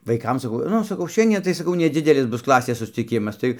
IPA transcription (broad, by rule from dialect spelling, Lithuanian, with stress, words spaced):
ʋɐɪˈkɐm sɐˈkɐʊ ˈnʊ sɐˈkɐʊ ˈʃʲɛnʲdʲiɛ tɐɪ sɐˈkɐʊ nʲɛˈd͡zʲɪdʲɛlʲɪs ˈbʊs ˈklˠɑːsʲeːs sʊsʲt͡sʲɪˈkʲɪmɐs ˈtɐɪ